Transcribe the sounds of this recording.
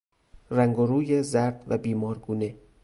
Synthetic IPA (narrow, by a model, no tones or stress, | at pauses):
ræŋɡoɾuːjezæɾd̪væbiːmɒːɾɡuːne